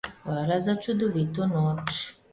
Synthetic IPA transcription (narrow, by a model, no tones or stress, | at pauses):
vaɾazat͡ʃud̪oʋit̪onoːt͡ʃ